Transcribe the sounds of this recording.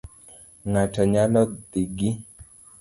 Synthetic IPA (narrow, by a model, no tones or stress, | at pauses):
ŋataɲalɔd̪iɡi